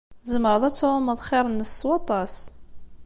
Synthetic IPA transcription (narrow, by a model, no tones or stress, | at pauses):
zəməɾˤəðˤæt͡sːʕʊməðˤχɪɾˤənːəswɑt̪ˤɑs